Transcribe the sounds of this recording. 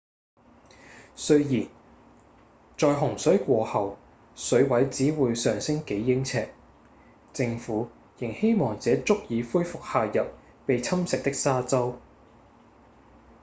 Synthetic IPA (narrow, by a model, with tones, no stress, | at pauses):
sɵ˥ɥjiː˨˩n | t͡ʃɔː˨jɦʊ˨˩ŋsɵ˨˥ɥkʷɔː˧hɐ˨w | sɵ˨˥ɥwɐ˨˥jt͡siː˨˥wuː˨˧jsœː˨ŋsɪ˥ŋke˨˥jːɪ˥ŋt͡sʰɛː˧k̚ | t͡sɪ˧ŋfuː˨˥ | jɪ˨˩ŋhe˥jmɔː˨ŋt͡sɛː˨˥t͡sʊ˥k̚jiː˨˧fuː˥jfʊ˨k̚haː˨jɐ˨p̚ | pe˨jt͡sʰɐ˥msɪ˨k̚t̪ɪ˥k̚saː˥t͡sɐ˥w